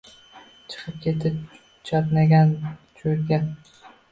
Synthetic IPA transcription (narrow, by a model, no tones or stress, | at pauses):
t͡ʃʰɨ̥qʰɨp̚kʲʰe̞t̪ʰɪp̚ | t͡ʃʰɒt̪naɡʲant͡ʃʰoɾɡʲa